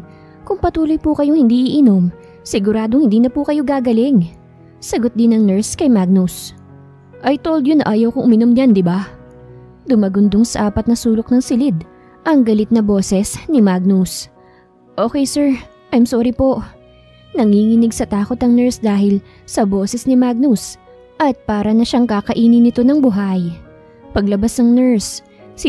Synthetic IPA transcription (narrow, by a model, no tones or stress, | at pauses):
kʊŋpɐt̪uːlojpukɐjoŋhɪnd̪iːʔɪʔɪno̞m | sɪɡʊɾaːd̪oŋhɪnd̪iːnɐpukɐjoɡaːɡɐlɪŋ | sɐɡot̪̚d̪ɪnɐŋnɛɹskɐjmaɡ̚nʊs | ʔɐjt̪owld̪ɲjonɐʔaːjɐwkʊŋʔʊmɪnomɲand̪ɪba | d̪ʊmaɡʊnd̪oŋsɐʔaːpɐt̪̚nɐsuːlok̚nɐŋsɪlɪd̪ | ʔɐŋɡɐlɪt̪̚nɐbo̞ːsɛsnɪmaɡ̚nʊs | ʔoːkɛjsɛɹ | ʔɐjmsoːɾipo̞ʔ | nɐŋhiːŋɪnɪɡ̚sɐt̪aːko̞t̪ɐŋnɛɹsd̪aːɦɪl | sɐbo̞ːsɛsnɪmaɡ̚nus | ʔɐt̪̚paːɾɐnɐʃaŋkaːkɐʔiːnɪnɪt̪o̞nɐŋbʊɦaj | pɐɡlɐbasnɐŋnɛɹs